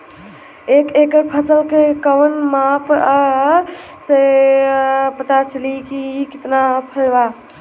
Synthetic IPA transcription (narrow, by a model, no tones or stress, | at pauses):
ekekəɾpʰəsəlkekəwənmapʰa | se | pət̪at͡ʃʰəlikiːkit̪napʰəlba